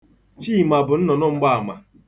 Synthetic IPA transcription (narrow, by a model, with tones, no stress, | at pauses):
t͡ʃi˦˨ma˨bʊ˨n̩˦nɔ˨nɔ˦ŋ͡m̩˦ɡ͡ba˦a˨ma˨